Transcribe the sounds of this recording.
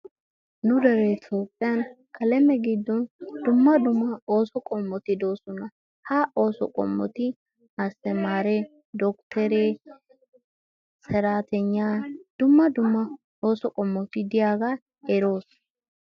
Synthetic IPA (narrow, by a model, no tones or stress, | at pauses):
nʊd̪ɐɾɛt̪ʼoːpʼːɪjɐn | kʰɐlɛmɛɡid̪ːɔnd̪ʊmːɐd̪ʊmːɐoːsɔkʼɔmːɔt̪ɪd̪o̞ːsɔnɐ | hɐʔo̞ːsɔ̰kʼɔ̰mːɔ̰t̪ɪ | ɐsːɛmaːɾɛ | d̪ɔkt̪ʰɛɾɛ | sɛɾaːt̪ɛɲːaːd̪̥ʊmːɐd̪ʊmːɐ | oːsɔkʼɔmːɔt̪ɪd̪ɪjaːɡa | ɛɾo̞ːs